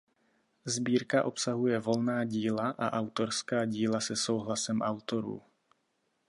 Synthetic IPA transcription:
zbiːɾkaʔo̞psaɦujɛvo̞lnaːɟiːlaʔa̰ʔawt̪o̞ɾskaːɟiːlasɛso̞wɦlasɛmʔawt̪o̞ɾṵː

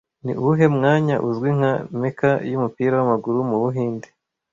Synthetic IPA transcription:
nḭuɦe̞mŋaːɲaʔuzɡwiŋ̥amekajumupiːɾawamaɡuɾumuβuɦiːnde

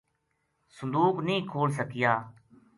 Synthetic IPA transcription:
sʊnd̪uːknĩːkʰoːls̬əkɪjaː

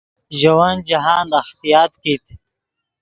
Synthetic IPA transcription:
ʒɐwand͡ʒaɦaːnd̪axt̪ijaːt̪kit̪

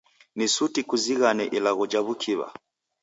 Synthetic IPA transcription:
nisutikuziɣanɛʔilaɣɔd͡ʒaβukʰiβa̰

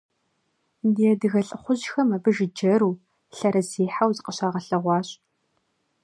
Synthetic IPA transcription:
diɛdɨɣɐɬʼɨχʷʊʑxɐmɐbɨʒɪd͡ʒɐɾuː | ɬɐɾɐziːħawzɨqəɕaːʁɐɬɐʁʷɑːɕʼ

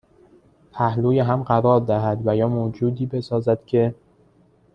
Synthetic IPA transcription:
pʰæhluːjeɦæmɢæɾɒːɾd̪æɦæd̪væjɒːmod͡ʒuːd̪iːbe̞sɒːzæd̪̥cʲʰe̞

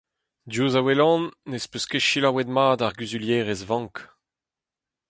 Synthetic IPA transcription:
djuːzawelɑ̃nːespøskeʃilawɛd̪maːdaʁɡyzyljɛːʁɛzvɑ̃ŋk

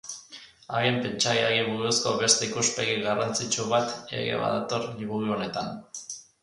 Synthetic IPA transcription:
aɣempe̞nt͡ʃajeaɣiβuðusko̞βe̞st̪eikuspe̞ɣiɣarant͡sit͡ʃuβat̪ḛɣḛβa̰ðat̪o̞rliβuɣuo̞ne̞t̪an

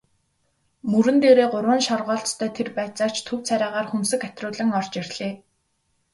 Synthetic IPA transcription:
mɵɾɘ̆nt̪eːɾeːɢʊɾwə̆ːnʃɔrʁɔːɮt͡st̪ʰœːt̪ʰerpæːt͡sɔ̥ːt͡ɕt̪ʰɵw̥t͡sʰæɾʲaːʁaːrxunsɘ̆kæt̪rʊːɮə̆ŋɔr̥t͡ɕirʲɮ̥eː

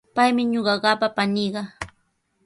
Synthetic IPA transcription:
pajmɪɲoɢɑɢɑpapaniːɢɑ

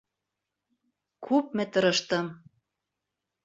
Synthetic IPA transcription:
kʰup̚mɘ̆t̪ɤ̆ɾɤ̆ʃt̪ɤ̆m

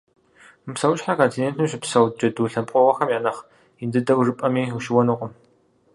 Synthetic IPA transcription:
mɨpsɐwʊʃħakaːtʰineːntʰɨmɕɪpsɐwd͡ʒɐduːɬɐpʷʼqʼɔʁɐxɐmjaːnɐχ | jɪndɨdɐwrɨpʼɐmiːuʃɪwɐnuqʷʊm

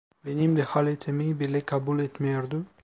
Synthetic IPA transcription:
benimd̪ehalet̪ʰemibelekʰabulet̪meɾd̪u

